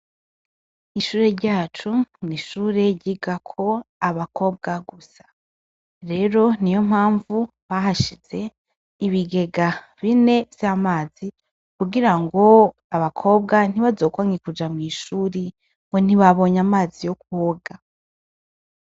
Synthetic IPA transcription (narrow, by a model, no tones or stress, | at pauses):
iʃuːɾe̞ɾɟaːt͡ʃuniʃuːɾe̞ɟiɡakʰo̞aβako̞ːb̚ɡaɡusḁ | ɾe̞ɾo̞nijo̞m̥haːɱvu | βaɦaʃiz̥e̞ | iβiɡe̞ɡa | βine̞vjamaːzi | kuɡiɾaŋɡo̞ | aβakʰo̞ːbɡan̥iβazo̞ːkwaŋikud͡ʒamŋiːʃuːɾi | ŋɡo̞n̥iβaβo̞ɲamaːzijo̞kuoɡa